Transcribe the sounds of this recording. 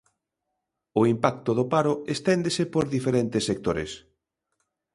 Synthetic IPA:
ʊimpak̚t̪oðʊpaɾʊest̪ɛnd̪esepoɾðifeɾɛnt̪esːek̚t̪oɾḛs

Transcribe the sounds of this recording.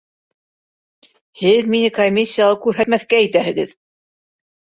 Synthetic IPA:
hɘðminɘkomʲisʲːijalˠɤkʉɾɦæt̪mæθkæːjt̪æɦɘ̆ɣɘ̰ð

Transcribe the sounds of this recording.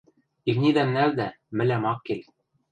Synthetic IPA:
ivnid̪æmnæwd̪æ | mɘ̆læmɑqːil

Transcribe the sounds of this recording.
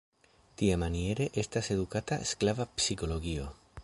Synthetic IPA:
t̪iemanie̞ɾe̞ʔest̪ase̞ðukat̪asklavapsiko̞lo̞ɡio

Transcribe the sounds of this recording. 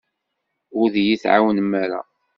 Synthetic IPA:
ʊɾðjiθʕa̰wənəmːaɾa̰

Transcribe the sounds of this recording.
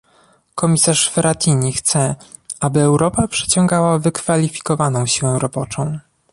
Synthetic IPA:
kʰɔmʲisaʂfɛɾat̪ʲʰiɲixt̪sɛ | ʔabɘɛwɾɔpapʂɛ̥t͡ɕɔ̃ŋɡawavɘkfalʲifʲi̥kɔvanɔ̃w̃ɕiwɛ̃w̃ɾɔbɔt͡ʂɔ̃w̃

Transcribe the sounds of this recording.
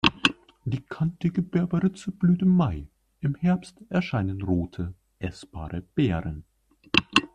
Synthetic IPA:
d̥iːkʰantəɡəbɛɐbɐʁɪt͡səb̥lyːtɪmːaɪ | ɪmhɛɐpstɛɐʃaɪnənʁoːtʰə | ʔɛsb̥a̰ːʁəb̥eːʁən

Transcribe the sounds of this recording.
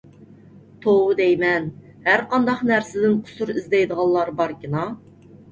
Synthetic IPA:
t̪ʰowɨd̪ɛjmɛn | hæɾqɑnd̪ɑqnæɾsɪd̪ɪnqʰʊ̥suɾɪzd̪ɛjd̪əʁɑnlˠlːˠɑɾbɑɾkʲɪnɑ

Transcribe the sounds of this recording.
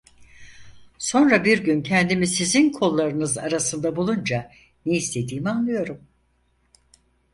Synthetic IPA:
so̞nɾabiɾɟyncʰɛnd̪imisizinkʰo̞lˠːaɾɯnɯzaɾasɯnd̪abulˠund͡ʒa | neist̪ʰe̞d̪iːmianlˠɯjo̞ɾum

